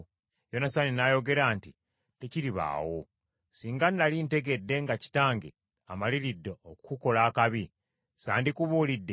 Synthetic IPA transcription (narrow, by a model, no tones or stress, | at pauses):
jo̞nasaninajo̞ɡe̞ɾaːnti | te̞ciɾiβa̰ːwo̰ | siːŋɡanːalinte̞ɡe̞dːe̞ŋɡaci̥taːŋɡḛ | amaliɾidːeokukuko̞laːkaβi | sa̰ːndikuβuːlidːe̞